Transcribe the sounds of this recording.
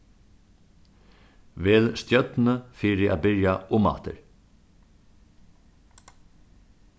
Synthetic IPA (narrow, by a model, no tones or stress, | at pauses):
ʋeːðst̪jœt̪nəfiːɾɪʔa̰ðbɪɹjaʊmːa̰t̪ə̰ɾ